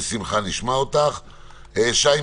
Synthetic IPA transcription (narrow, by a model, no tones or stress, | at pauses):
simχaniʃmaot̪aχ | eʃaj